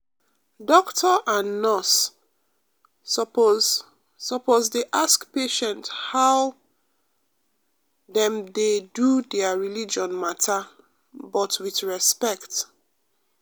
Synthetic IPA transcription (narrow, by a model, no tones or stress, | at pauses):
dɔktʰəʔãnːɔs | ɔpoː | ɔpozdeʔaskpeʃɛ̃nthaw | ðɛ̃mdedudɛəɹilid͡ʒɔ̃nmatʰa | bɔtwiθɹɛspɛkt